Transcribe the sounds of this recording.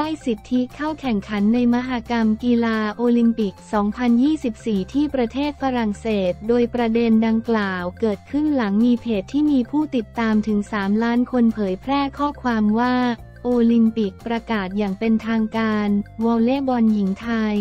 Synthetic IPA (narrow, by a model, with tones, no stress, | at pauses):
ta˥˩jsi˨˩t̪ʰːi˦˥kʰa˥˩wkʰɛ˨˩ŋkʰa˩˦nːa˧jma˦˧˥ɦaː˧ka˧mkiː˧laː˧ʔoː˧li˧mpi˨˩k̚sɔː˩˦ŋpʰa˧njiː˥˩si˨˩p̚siː˨˩t̪ʰiː˥˩pɾa˧t̪ʰeː˥˩t̪̚fa˧ɾa˨˩ŋseː˨˩t̪̚doː˧jpɾa˧de˧nda˧ŋklaː˨˩wkɤː˨˩t̪̚kʰɯ˥˩nla˩˦ŋmiː˧pʰeː˨˩t̪ʰːiː˥˩miː˧pʰuː˥˩t̪i˨˩t̪ːaː˧mt̪ʰɯ˩˦ŋsaː˩˦mlaː˦˥nkʰo˧npʰɤː˩˦jpʰɾɛː˥˩kʰɔː˥˩kʰwaː˧mwaː˥˩ | ʔoː˧li˧mpi˨˩k̚pɾa˧kaː˨˩t̪̚jaː˨˩ŋpe˧nt̪ʰaː˧ŋkaː˧nwɔ˧wleː˦˥˩bɔ˧nji˩˦ŋt̪ʰa˧j